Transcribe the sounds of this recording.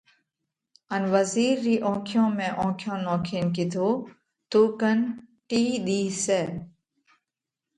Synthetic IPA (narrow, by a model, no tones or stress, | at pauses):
ənʋəziːɾːiːʔõːkʰjõːmẽːʔõːkʰjõːnoːkʰiːnk̬ɪt̪ʰoː | t̪uːkənʈiːɗ̪iːseː